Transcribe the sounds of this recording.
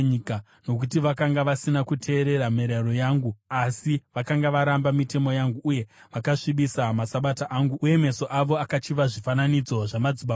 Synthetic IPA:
ika | no̞k̬utiʋakaŋɡaʋasinakutʰe̞ːɾe̞ɾameɾaro̞jaːŋɡuasiʋakaŋɡaʋaɾambamite̞mo̞jaŋɡuʔːje̞ | ʋakaʂiɓisamasaɓataʔaːŋɡuuje̞me̞so̞ʔaʋo̞akat͡ʃiʋaʐifananid͡zo̞ʐamad͡ziɓa

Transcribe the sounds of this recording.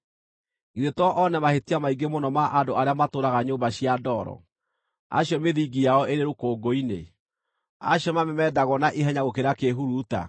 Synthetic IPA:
iðetɔʔɔnɛmahetiamaiɡemonɔmaʔandoaɾeamatoɾaɣaɲoːmbaɕiadɔɾɔ̰ | a̰ɕjɔmeðiɡijaɔeɾeɾokoːɡoinḛ | a̰ɕjɔmamɛmɛdaɣɔnaʔiɦɛɲaɣokeɾakeɦuɾuːta̰

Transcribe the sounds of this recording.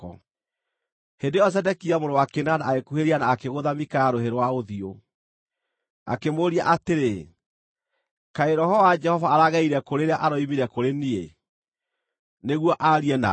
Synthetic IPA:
ɔ | hendeɔs̬ɛdɛkiamoɾowakenanaːɣekuheɾianaːkeɣoðamikajaɾoheɾowaoðio | a̰kemoɾia̰ʔateɾe | kaeɾɔhɔvad͡ʒɛhɔvaːɾaɣaiɾɛkoɾeɾeaʔaɾɔimiɾɛkoɾenie | neɣwɔʔaɾiɛna̰

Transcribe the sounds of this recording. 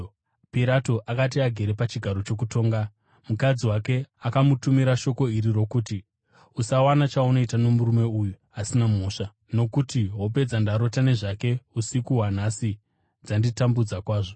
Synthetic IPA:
piɾato̞ʔakat̬iaɡʱe̞ɾepat͡ʃiɡʱaɾo̞t͡ʃo̞k̬uto̞ːŋɡa | mukad͡ziwake̞akamutumiɾaʃo̞ko̞iɾiro̞kuti | usawanat͡ʃauno̞itano̞muɾume̞uju | asinamoːʂa | no̞kutiɦo̞p̬e̞d͡zandaɾo̞tane̞ʐake̞usikuɦwan̤asi | d͡zanditambud͡zakwaːʐo

